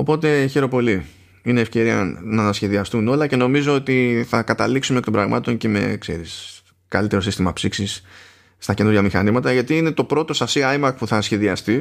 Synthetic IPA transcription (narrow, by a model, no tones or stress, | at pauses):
o̞po̞t̪e̞çeɾo̞po̞li | ine̞ːfce̞ɾiɐ̰nɐsçe̞ðiɐst̪uno̞lɐce̞no̞mizo̞ot̪iθɐkɐt̪ɐliksumekt̪̞bɾɐɣmɐ̰t̪o̞nce̞me̞̰kse̞̰ɾis | kɐlit̪e̞ɾo̞sist̪imɐpsiksisː | t̪ɐce̞nuɾʝɐmixɐnizmɐt̪ɐʝɐt̪iine̞t̪o̞pɾo̞t̪o̞sɐsiɐjmɐk̚puθɐsçe̞ðiɐst̪i